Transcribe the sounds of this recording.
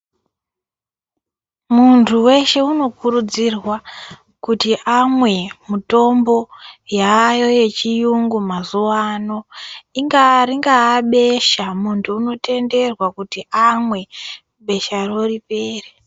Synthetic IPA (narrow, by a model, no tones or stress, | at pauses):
muntʰuwe̞ʃe̞uno̞kurud͡zirwa | kutiʔamwe̞muto̞mbo̞jaːjo̞je̞t͡ʃijuŋɡumazuwano̞iŋɡaɾiŋɡaːɓe̞ʃamuntʰuːno̞te̞nde̞rwakutiʔamwe̞ | ɓe̞ʃaro̞ripe̞ːre